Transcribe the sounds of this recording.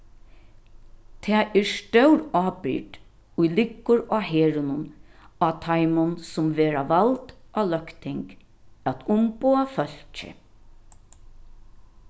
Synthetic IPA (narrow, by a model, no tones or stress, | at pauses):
t̪ʰɛːʔɛɹst̪œwɾɑːpɪ̰ʈ | ʊjlɪkːʊɾaːɦeːɹʊnʊnat̪ʰajmʊnsʊmʋeːɾaʋalt̪ʔaːlœkt̪ʰɪŋk | æt̪ʰʊmpoːafœl̥t͡ʃɪ̰